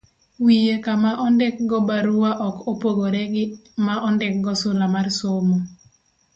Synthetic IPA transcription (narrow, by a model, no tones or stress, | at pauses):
wijekamaʔɔndɛk̚ɡɔbaɾuwaʔɔkopoɡoɾɛɡɪmaʔɔndɛk̚ɡɔsʊlamarsomo